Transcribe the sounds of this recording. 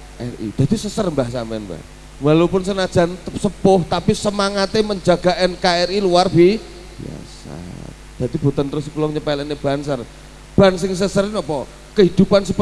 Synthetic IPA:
ʔɛ̰rḭd̪̥a̤d̪̥isəsərmbahsamɛnpa̰ | walupʊnsənad̥ʒ̥a̤nsəpʊht̪apisəmaŋat̪eməɲd͡ʒaɡ̥a̤ʔɛnkaɛriluarbi | bia̰sa̰ | d̪̥ä̤d̪ib̥ṳt̪ənt̪əɾʊskulɔŋɲəpalɛnːeb̥a̤nsər | b̥a̤nsɪŋsəsərinɔpɔ | kəɦid̪̥upansəp

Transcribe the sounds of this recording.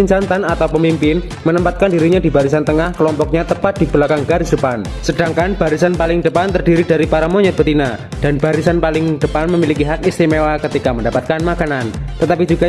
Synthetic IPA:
iɲt͡ʃant̪anat̪awpəmimpɪn | mənəmpat̪̚kandiɾiɲadibaɾis̬ant̪əŋahkəlɔmpɔk̚ɲat̪əpat̪̚d̥ib̥əlakaŋɡaɾɪsd̥əpan | sədaŋkanb̥aɾisanpalɪŋdəpant̪ərdiɾidaɾipaɾamoɲɔt̪̚bət̪ina | d̥anb̥aɾisanpalɪŋd̥əpanməmilikiɦakist̪imewakət̪ikaməndapat̪̚kanmakanant̪ət̪apid͡ʒuɡa

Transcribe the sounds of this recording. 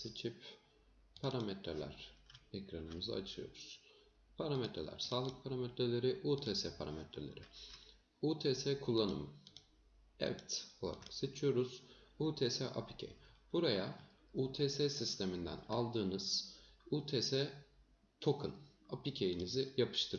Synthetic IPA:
set͡ʃʰip | pʰaɾamet̪ɾelʲæ̰ɾ̥ɛcɾanɯmɯza̰at͡ʃʰɯjo̞̰ɾuz̥ | pʰaɾamet̪ɾelʲæ̰ɾ̥saːlˠɯk̚pʰaɾamɛt̪ɾelʲe̞ɾiʔuːt̪ʰeːsɛpʰaɾamɛt̪ɾḛlʲeɾi | uːt̪ʰesɛkʰulˠːanɯ̰m | ɛ̰vɛt̪o̞lˠa̰ɾa̰kset͡ʃʰijo̞ɾuz̥uːt̪ʰeːsɛʔa̰pʰi̥cʰḛb̥uɾaja | uːt̪ʰeːsɛsist̪ʰe̞mind̪æ̰nalˠd̪ɯːnɯz̥uːt̪ʰeːsɛ | t̪ʰo̞kʰɯn | apicʰejinizijapʰɯ̥ʃt̪ʰɯɾ

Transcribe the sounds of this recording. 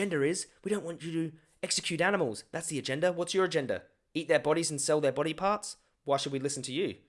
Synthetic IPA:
ɛ̃ndə˞ɪzwidɾõʊ̃nʔwɑ̃nt͡ʃɨɾɨ | ɛksɨkʰj̥ʉɾænəml̩ˠz̥ðætsðiɨd͡ʒɛ̃ndəwʌtsjə˞ɨd͡ʒɛ̃ndə̰ | it̪̚ðə˞bɑɾizn̩sɛlˠðə˞bɑɾipʰɑɹts | waɪʃɨd̚wilɪsn̩tʰɨjʉ

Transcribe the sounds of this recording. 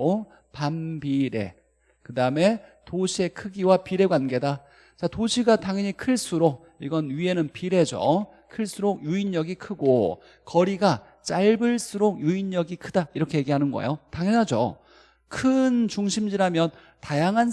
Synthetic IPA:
pambiɾe̞̰ | kɯdaɯme̞toɕʰie̞kʰɯɡiwapiɾe̞ɡwanɡe̞da | t͡ɕatoɕʰiɡataŋɦʌɲikʰɯɭs͈uɾok̚ | iɡʌnɥie̞nɯnpiɾe̞d͡ʑo̰ | kʰɯɭs͈ʰuɾok̚juiɲːʌɡikʰɯɡo | kʌɾiɡa | t͡ɕ͈aɭbɯɭs͈ʰuɾok̚juiɲːʌɡikʰɯdaiɾʌkʰe̞je̞ɡiɦanɯnɡʌ̰ḛjotaŋjʌnɦad͡ʑo̰ | kʰɯnt͡ɕuŋɕʰimd͡ʑiɾamjʌn | tajaŋɦan

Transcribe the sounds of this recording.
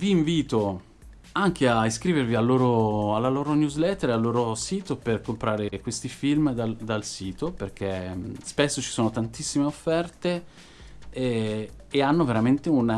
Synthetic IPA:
viːɱviːt̪o | aŋk̟eaiskɾiːvervialːoːɾoalːaloːɾonjuzlɛt̪ːeɾealːoːɾosiːt̪operkompɾaːɾekwest̪ifilmd̪ad̪alsiːt̪operk̟espesːot͡ʃi̥soːnot̪ant̪isːimeofːɛrt̪e | anːoveɾament̪eun

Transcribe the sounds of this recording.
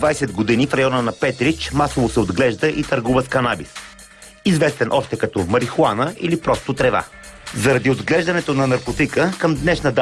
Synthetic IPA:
vajsɛd̪ɡod̪inifɾɐjɔnənɐpɛt̪ɾit͡ʃmasovosɛod̪ɡlɛʒd̪əʔit̪əɾɡuvəskɐnabis | izvɛst̪ɛnʔɔʃt̪ɛkɐt̪ɔmɐɾixuanəḭlipɾɔst̪ot̪ɾɛva̰ | zɐɾɐd̪iod̪ɡlɛʒd̪ɐnɛt̪onɐnɐɾkot̪ikəkəmd̪nɛʃnəd̪

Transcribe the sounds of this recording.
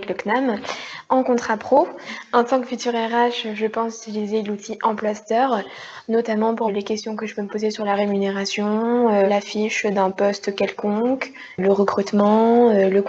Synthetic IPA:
kləknamɑ̃kɔ̃t̪χapχoɑ̃t̪ɑ̃kfyt̪yʁɛʁaʃʒəpɑ̃silizelut̪ʰiʔɑ̃plwast̪œʁ | nɔt̪amɑ̃puʁlekʲɛst̪jɔ̃kəʒəpøməpozesyʁlaʁemyneʁasjɔ̃ølafiʃd̪ɛ̃pɔst̪kʲɛlkɔ̃k | ləʁəkχyt̪mɑ̃lək

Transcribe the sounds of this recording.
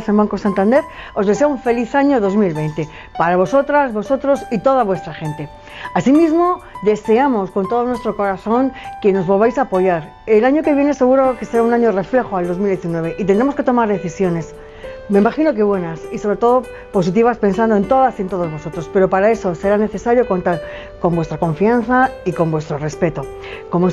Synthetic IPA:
sembaŋko̞sant̪and̪e̞ɾo̞zðe̞se̞auɱfe̞liθaɲo̞ðo̞zmilβe̞jnt̪e | paɾaβ̞o̞so̞t̪ɾazβo̞sot̪ɾo̞sit̪o̞ðaβwe̞st̪ɾaxẽ̞nt̪e̞ | asimizmo̞ðe̞se̞amo̞sko̞nt̪o̞ð̞onwe̞st̪ɾo̞ko̞ɾaθo̞ŋke̞no̞zβo̞lβajsaːpo̞ʝaɾ | elaɲo̞keβje̞nese̞ɣ̞uɾo̞ke̞seɾaunaɲore̞fle̞xoald̪o̞zmild̪je̞θinwe̞β̞e̞ʔit̪end̪ɾemoske̞t̪o̞maɾðe̞θisjo̞ne̞s | me̞imaxino̞k̬e̞βwe̞nasiso̞β̞ɾe̞t̪o̞ðo̞ | po̞s̬it̪̬iβ̞aspe̞ns̬and̪o̞e̞nt̪o̞ðasient̪o̞ðo̞zβo̞sot̪ɾo̞spe̞ɾo̞paɾae̞so̞se̞ɾane̞θe̞saɾjo̞ko̞nt̪aɾ | ko̞mbwest̪ɾakõ̞ɱfianθaiko̞mbwe̞st̪ɾo̞re̞spe̞t̪o̞ | ko̞mo

